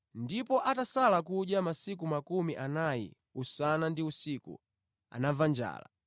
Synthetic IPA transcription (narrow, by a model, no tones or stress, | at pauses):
ndipɔʔatasalakuʄjamasik̬umakumiʔanajḭ | usanandiusikṵ | a̰navand͡ʒa̰ːla̰